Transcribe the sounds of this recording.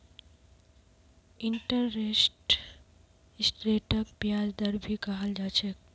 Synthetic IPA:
ɪɳʈəɾːesʈ | ɪsʈɾeːʈəkpjaːd͡ʒd̪əɾbʱikaɦəld͡ʒaːt͡ʃek

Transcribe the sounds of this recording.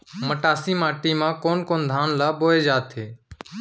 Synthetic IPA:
məʈaːsiːmaːʈiːmãːkoːnkoːnd̪ʱaːnlaːɓoːeːd͡ʒaːt̪ʰeː

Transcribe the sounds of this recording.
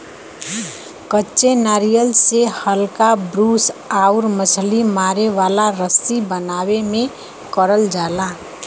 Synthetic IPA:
kətːt͡ʃenaːɾijəlsehəlkabɾuːsauɾməsʰlimaɾeʋalaɾəsibənaːwemẽ | kəɾəld͡ʒaːla

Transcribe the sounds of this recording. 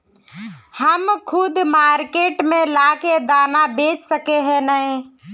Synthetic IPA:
həmkʰʊd̪ʱmaɾkeʈmelaked̪anabet͡ʃsəkeɦɛ̃nə̃

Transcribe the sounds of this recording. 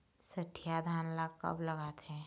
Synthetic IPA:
sɐʈʰijad̪ʱaːnlakɐ̰blɐɡaːt̪ɦɛ̃

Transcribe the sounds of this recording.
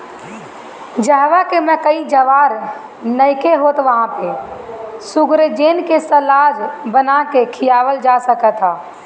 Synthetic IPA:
d͡ʒəɦʋakemɛ̃kəid͡ʒəʋaːɾ | nəɪkeɦoːt̪ʋəɦãpe | sʊɡɾd͡ʒeːnkesəlaːd͡ʒbənakekʰijaːʋəld͡ʒasəkət̪ɦaː

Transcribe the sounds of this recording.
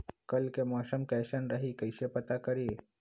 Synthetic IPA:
kəlkemɔːsəmkɛʃənɾaɦikəjɕepət̪akəɾe

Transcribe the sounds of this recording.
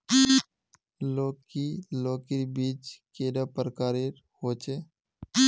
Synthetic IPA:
loːkiloːkiɾbiːt͡ʃkeːɖaːpəɾkaːɾeɾ | hoːt͡ʃeː

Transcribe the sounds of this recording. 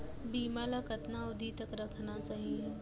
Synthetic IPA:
biːmalakɐt̪naʊd̪ʱit̪ɐkɾɐkʰnasɐɦiɦɛː

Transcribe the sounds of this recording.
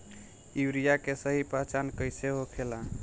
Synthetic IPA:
iwɾijakesəɦipɾat͡ʃankəjseɦokʰela

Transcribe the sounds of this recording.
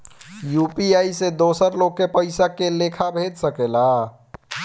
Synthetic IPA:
jupiaised̪osəɾloɡ̚kːepəɪsakelekʰabʱed̪səkela

